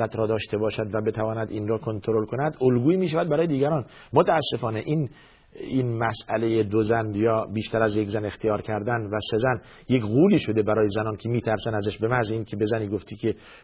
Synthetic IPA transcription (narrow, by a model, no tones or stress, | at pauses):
æt̪ʰɾɒːd̪ɒːʃt̪ʰe̞bɒːʃæd̪væbe̞t̪ʰævɒːnæd̪inɾɒːkʰo̞nt̪ʰoɾo̞lkʰo̞næd̪olɡuːiːmiːʃ̬ævæd̪bæɾɒːjed̪iːɡɟæɾɒːn | mot̪ʰæːsːe̞fɒːne̞ʔiːn | inmæsæ̰le̞jed̪ozænjɒːbiːʃt̪ʰæɾæzjekzæne̞xt̪ʰijɒːɾkʰæɾd̪ænvæse̞zæn | jekɣuːliːʃo̞d̪e̞bæɾɒːjezænɒːncʰemiːt̪ʰæɾsænæzæʃbe̞mæziːnkʰe̞be̞zæniːɡo̞ft̪ʰiːkʲʰe̞